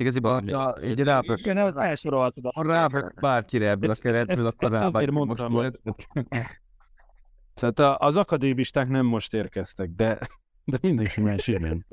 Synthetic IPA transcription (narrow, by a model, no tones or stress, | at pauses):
iɡɒzibiɟɾaːpøønɛfɛlʃoɾolt̪od̪raːbbaːrkiɾɛɛbːlɒkɛɾɛt̪bølɒkɔrabɾmont̪ɔmo | t̪aːt̪ɒʔːzɒkɒd̪eːbiʃt̪aːknɛmːo̞ʃt̪eːrkɛst̪ɛk̚d̪ɛ | d̪ɛmind̪ɛŋkimaːnʃinɛn